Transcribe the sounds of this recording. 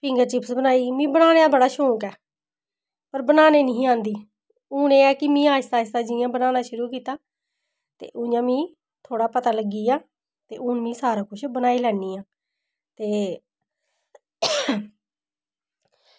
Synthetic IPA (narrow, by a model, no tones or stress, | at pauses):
pʰɪ̃ŋɡəɾt͡ʃɪpsbənaːiːmĩːbənaːneaːbəɽaːʃõːkɛː | pəɾbənaːneːnəɦĩːãːnd̪iː | ʊːneːɛːkɪmĩːaːst̪aːɪst̪aːd͡ʒɪ̃jãːbənaːnaːʃʊɾuːkiːt̪aː | t̪ḛːʔʊɲãːmĩː | t̪ʰoːɽaːpət̪aːləɡiːaː | t̪eːʔʊnmĩːsaːɾaːkʊʃʰbənaːiːlɛːniːãː | t̪eː